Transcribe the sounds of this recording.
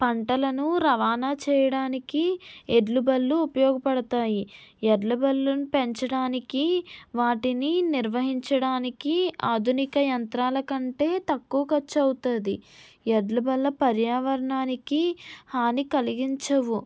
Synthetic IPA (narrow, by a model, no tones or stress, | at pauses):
pɐɳʈɐlɐnuɾɐʋaːnaːt͡ʃɛːjɐɽaːnikieɖlubɐlːuːpɐjɔːɡɐpɐɽɐt̪aːjieɖlubɐlːunupeɲt͡ʃɐɽaːnikiʋaːʈininiɾʋɐɦiɲt͡ʃɐɽaːnikiaːd̪ʱunikɐjɐnt̪ɾaːlɐkɐɳʈe̞ːt̪ɐkːuːɐkɐt͡ʃːɐwut̪ɐnd̪i | eɖlubɐlːɐpɐɾjaːʋɐɾɐɳaːnikihaːnikɐliɡiɲt͡ʃɐʋu